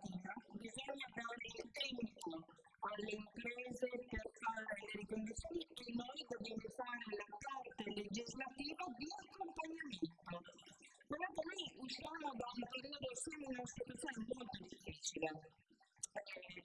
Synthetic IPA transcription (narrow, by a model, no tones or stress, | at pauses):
ivabizoɲːad̪ailt̪ɛmiku | perleimpɾɛːzeperfaːɾeleɾikond̪ut̪sːjoːnienoejt̪od̪evefaːɾeelapart̪eled͡ʒizlat̪iːvad̪iakːompaɲament̪o | peɾɔt̪omojusamod̪aumpeɾiod̪osomunasit̪wat̪sːjoːnemolt̪od̪ifːiːt͡ʃile